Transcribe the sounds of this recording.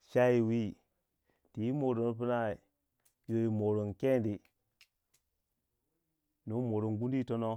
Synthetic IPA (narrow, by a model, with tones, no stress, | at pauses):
ʃa˦i˨wi˦˨ | ti˨i˦mo˨ɾo˨no˦pi˦na˦i˨ | jo˨ji˨mo˨ɾo˨nke˦ndi˨ | no˨˦mo˨ɾo˨nɡu˦n˦di˦to˦no˦